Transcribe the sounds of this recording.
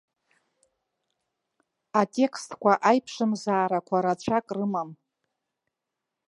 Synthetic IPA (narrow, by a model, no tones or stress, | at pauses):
atʼe̞kʰstʰkʷʰaʔajpʰʂɨmzaːɾakʷʰaɾat͡ɕʷʰakʼrɨmam